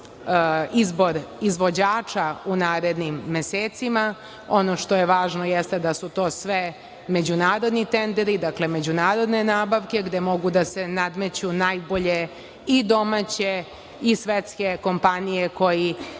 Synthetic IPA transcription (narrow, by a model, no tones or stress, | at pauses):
izbo̞ɾizʋo̞d͡ʑaːt͡ʃaunaːɾe̞d̪nimːeseːt̪sima | o̞no̞ʂt̪o̞jeʋaːʒnojest̪e̞d̪asut̪o̞ːsʋe | me̞d͡ʑunaːɾo̞d̪nit̪end̪eɾid̪akle̞me̞d͡ʑunaːɾo̞d̪ne̞naːbaʋke̞ɡd̪emo̞ɡud̪ase̞nad̪me̞t͡ɕunajbo̞ʎe | id̪o̞mat͡ɕe̞ | isʋet̪ske̞ko̞mpanijeko̞ji